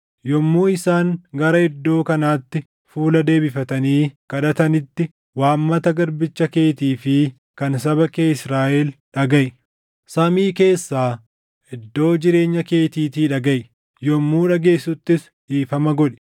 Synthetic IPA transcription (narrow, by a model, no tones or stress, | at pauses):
jɔmːuːɪsaːŋɡɐɾɐɛd̪ːo̞ːkɐnaːt̪ːɪ | fuːlɐd̪e̞ːbɪfɐt̪ɐniːkɐᶑɐt̪ɐnɪt̪ːɪ | waːmːɐt̪ɐɡɐɾbɪt͡ʃːɐke̞ːt̪iːfɪ | kɐnsɐβɐkeːɪsɾaːʔɛlᶑɐɡɐʔ | sɐmiːke̞ːsːaː | ʔɛd̪ːo̞ːd͡ʒɪɾe̞ːɲːɐke̞ːt̪iːt̪iːᶑɐɡɐj | jɔmːuːᶑɐɡe̞ːsʊt̪ːɪs | ᶑiːfɐmɐɡɔᶑɛ̥